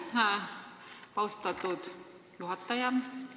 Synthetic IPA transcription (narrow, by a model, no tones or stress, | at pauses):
ha | pɑwst̪ɑt̪ut̪ | juɦɑt̪ːɑjɑn